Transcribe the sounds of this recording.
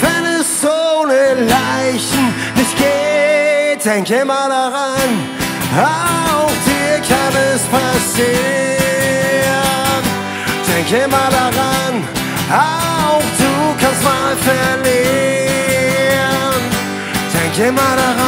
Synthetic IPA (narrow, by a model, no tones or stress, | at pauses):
vɛnɛsz̥onəlaɪçn̩nɪçt̚ɡ̥eːt̚d̥ɛŋkemaːldaʁan | aaʊxd̥iːɐkʰanɛspʰasi | ʁən | d̥ɛŋkemaːldaʁan | ʔa | aʊʊxd̥uːkʰanstmaːlfɛɐleː | əən | d̥ɛŋkemaːlɾaʁa